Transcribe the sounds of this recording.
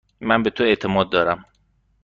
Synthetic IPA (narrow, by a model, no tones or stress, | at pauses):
mænbet̪ʰoe̞ʔt̪ʰe̞mɒːd̪̚ːɒːɾæm